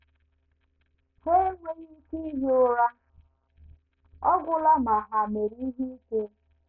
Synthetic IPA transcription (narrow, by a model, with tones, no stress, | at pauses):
he˦ŋʷe˦ɲi˦ki˦ɦo˦ɾa˦ | ɔ˦ɡʷʊ˦la˦ma˨ɦa˨me˨ɾi˦ɦi˦i˦ke˦